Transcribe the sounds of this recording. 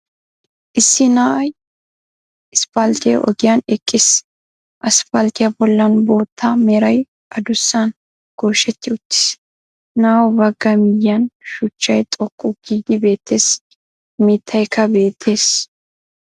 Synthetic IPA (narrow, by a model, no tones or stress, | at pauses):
ʔɪsːɪnaːʔɐj | ɪspɐlt̪ɪjɐ̰ʔɔ̰ɡɪjanɛkʼːɪs | ʔɐspɐlt̪ɪjɐbɔlːɐnbo̞ːt̪ʰːamɛɾɐj | ʔɐd̪ʊsːan | ɡ̥oːʃɛt̪ːɪʊt̪ːɪ̥s | naːwɔbɐɡːɐmɪjːɐnʃʊt͡ʃːɐjt̪ʼɔkʼːʊɡ̥iːɡɪbe̞ːt̪ːe̞ːs | miːt̪ʰːɐjkːɐbe̞ːt̪ʰːe̞ːs